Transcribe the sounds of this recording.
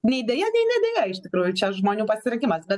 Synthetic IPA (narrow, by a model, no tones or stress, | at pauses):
nʲɛid̪ʲɛjɛnʲɛnʲɛd̪ʲɛjɛɪʃt̪ʲɪkɾuːjʊt͡ʃʲɐʒmoːnʲuːpɐsʲɪɾʲɐŋkʲimɐsbʲɛ